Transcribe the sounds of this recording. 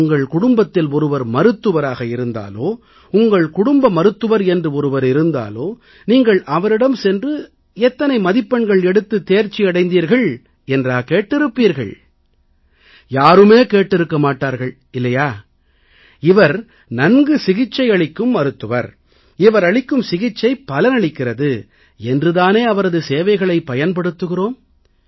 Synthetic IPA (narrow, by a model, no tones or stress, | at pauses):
ʊŋɡɐɭkʊɽʊmbɐt̪ːɪlɔɾɯʋɐɾmɐɾɯt̪ːɯʋɐɾaːɣɐɪɾɯnd̪a̰ːloː | ʊŋɡɐɭkʊɽʊmbɐmɐɾɯt̪ːɯʋɐɾɛndrɯɔɾɯʋɐɾɪɾɯnd̪a̰ːloː | niːŋɡɐɭʔɐʋɐɾɪɽɐmsɛndrɯ | ɛt̪ːɐnɐɪmɐðɪpːɐɳɡɐɭɛɽɯt̪ːɯt̪ːeːɾt͡ʃːiɐɽɐɪnd̪iːɾɣɐɭ | ɛndraːkeːʈːɪɾɯpːiːɾɣɐ̰ɭ | jaːɾɯmeːkeːʈːɪɾɯkːɐmaːʈːaːɾɣɐɭ | ɪlːɐjaː | ɪʋɐɾ | nɐnɡɯsɪɣɪt͡ʃːɐɪɐɭɪkːɯmɐɾɯt̪ːɯʋɐ̰ɾ | ɪʋɐɾɐɭɪkːɯmsɪɣɪt͡ʃːɐɪpːɐlɐnɐɭɪkːɪrɐðɯ | ɛndrɯðaːneːɐʋɐɾɐðɯseːʋɐɪɣɐɭɐɪpːɐjɐnpɐɽɯt̪ːɯɣɪroːm